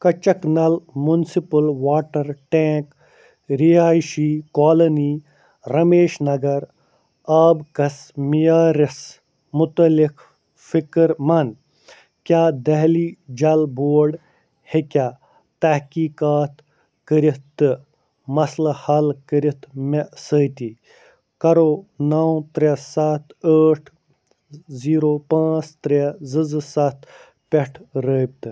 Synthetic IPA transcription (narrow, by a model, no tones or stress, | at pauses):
kɐt͡ʃɐknɐlmunsipɐlʋaːʈɐɾʈẽːk | ɾiaːjʃikaːlɐniː | ɾɐmeːʃnɐɡɐɾ | aːbkɐsmijaːɾɪs | mʊt̪ɐlik | fikəɾmɐn | kjaːd̪ɐɦliːd͡ʒɐlboːɾɖ | hekʲaː | t̪ɐhkiːkaːt̪ | kəɾit̪ːɨ | mɐslɐhɐlkəɾit̪mesəːt̪i | kɐɾoːnaw̃t̪ɾʲesat̪ʰəːʈʰ | ziːɾoːpãːt͡st̪ɾezɨzɨsɐt̪ | peʈʰɾəb̚t̪ɨ